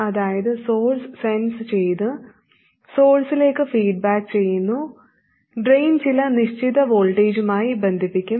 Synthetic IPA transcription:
ɐðaːjɐðɨso̞ːlssenst͡ɕejt̪ɨ | so̞ːlsile̞ːkːɨfiːɖ̚baːkt͡ɕe̞jːunːu | ɖrejnt͡ɕilɐniʂt͡ɕʰid̪ɐʋoːlʈeːd͡ʑumaːjibɐnd̪ʱipːikʲːu

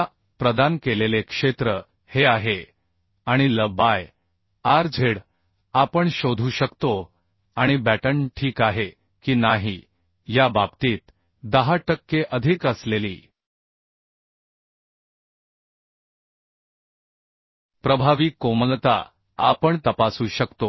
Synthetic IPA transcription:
pɾəd̪ankelelekʂet̪ɾə | heaɦe | aɽ̃iləbaj | aɾd͡zʱeɽ | apəɳɕod̪ʱuːɕəkt̪o | aɽ̃ibæʈəɳʈʰiːkaɦe | kiːnaɦi | jabab̚t̪iːt̪ | d̪əɦaʈəkːeʔəd̪ʱikəsleliː | pɾəbʱaʋiːkːoməlt̪a̰ | a̰pəɳt̪əpasuːɕəkt̪o

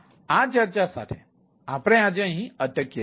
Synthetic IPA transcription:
at͡ʃəɾt͡ʃasa̰t̪ʰe | apɾ̃ẽad͡ʒəɦĩətəkːje

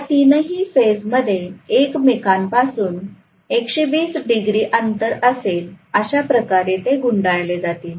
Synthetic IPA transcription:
t̪inəɦiːfed͡zməd̪ʱjeekmekʰanpasuːn | ekɕeʋiːsɖiɡɾiːʔənt̪əɾəseləɕapɾəkaɾet̪eɡuɳɖajled͡zat̪iːl

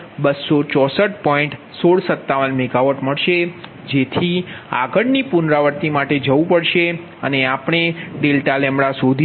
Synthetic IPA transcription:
bəsːot͡ʃɔsəʈ̚pɔ̃ĩɳʈ | soɽsət̪ːaʋənmeɡaʋəʈməɭʃe | d͡ʒet̪ʰia̰ɡəɽnipʊnɾaʋəɾt̪imaʈed͡ʒəʋũpəɭʃe | əneapɳ̃eɖelʈalɛmɽasod̪ʱ

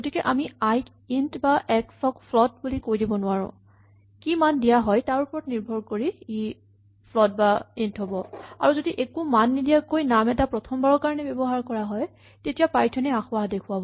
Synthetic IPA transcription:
ɡotikɛʔamiajk | intbaʔɛksɔkpʰlɔt̚bulikojdibɔnʊwaɹʊ̰̃ | kimandijaɦɔjtaɹupɔɹɔtniɹbʱɔɹkoɹii | pʰlɔt̚baintɦobɔa̰ɹuzodiʔekumanːidijakojnamɛtapɹɔtʰɔmbaɹɔkaɹɔnɛbɛbɔɦaɹkɔɹaɦɔj | tetijapaɹjtʰɔnɛaxʊwaɦdekʰuabɔ

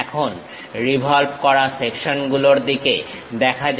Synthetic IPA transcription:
ɛkʰon | ɾibʱɔlbkɔɾasekʃonɡuloɾd̪ike | d̪ɛkʰa

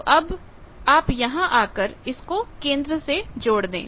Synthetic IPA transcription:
ʔɐb | aːpjɐɦãʔaːkəɾɪskokẽːnd̪ɾəsed͡ʒoːɽd̪ḛ̃ː

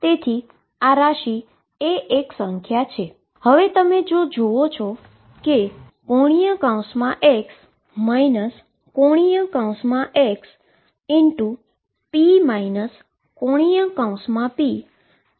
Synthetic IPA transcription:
t̪et̪ʰi | aɾaʃi | eeksə̃ŋkʰjat͡ʃʰe | həʋet̪əmed͡ʒod͡ʒoot͡ʃʰɔ | ke | koɽ̃ijə̃kãw̃smãʔeks | mainəs | koɽ̃ijə̃kãũsmãʔeks | ɪnʈu | pimainəs | kõɽ̃ijə̃kãw̃smãpi

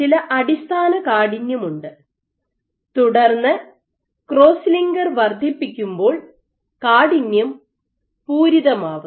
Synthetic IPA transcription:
ilɐʔɐɽist̪ʰaːnɐkaːɽinjɐmuɳɖɨ | t̪uɽɐrnːɨ | kro̞ːsliŋɡɐrʋɐrd̪ʱipːikʲːumbo̞ːɭ | kaːɽinjɐm | puːɾiðɐmaːʋu

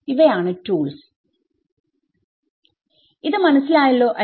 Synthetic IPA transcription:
iʋɐjaːɳɨtuːɭs | iðɨmɐnɐsːilaːjɐlːo̞ːʔɐ

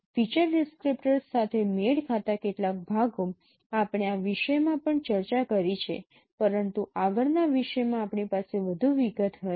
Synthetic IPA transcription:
fit͡ʃəɾɖɪskɾipʈəɾsat̪ʰemeɭkʰat̪akeʈlak̚bʱaɡom | apɳ̃eaʋiʃəjmãpəɳt͡ʃəɾt͡ʃakəɾit͡ʃʰḛ | pəɾənt̪uaɡəɭnaʋiʃəjmãːpɳipaseʋəd̪ʱuʋiɡət̪ɦə

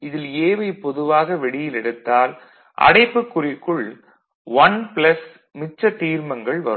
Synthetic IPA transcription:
ɪðɪleːʋɐɪpːɔðɯʋaːɣɐʋɛɽɪjɪlɛɽɯt̪ːaːl | ʔɐ̰ɽɐɪpːɯkːʊrɪkːɯɭ | ʋɐnpɭɐs | mɪt͡ʃːɐt̪iːɾmɐŋɡɐɭʋɐɾ

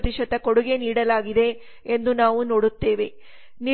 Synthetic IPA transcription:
t̪iʂɐt̪ːɐkoɽuɡe̞niːɽɐlaːɡid̪e̞ː | nd̪unaːʋuno̞ːɽut̪ːe̞ːʋe̞ | ni

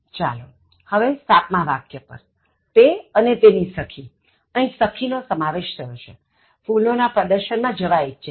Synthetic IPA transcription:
t͡ʃa̰lo | həʋesat̪mãʋakjəpə̰ɾ | t̪eənet̪enisəkʰi | ə̃ĩsəkʰinosəmaʋeʃt̪ʰəjoʃʰe | fulnonapɾəd̪əɾʃənmãd͡ʒəʋaitːt͡ʃʰe

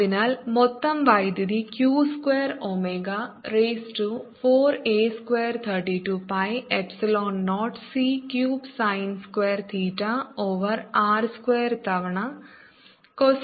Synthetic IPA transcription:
inaːlmɔt̪ːɐmʋɐjd̪id̪ikjuːskweːɾoːmeːɡaɾeːsʈufoːɾeːskʋeːɾt̪ʰɐɾʈiʈupɐjepsiloːnːoːʈsikjuːbsɐjnskwʋeːɾt̪ʰiːʈːaoːʋɐɾaːɾskweːɾt̪ɐʋɐɳɐ | ko

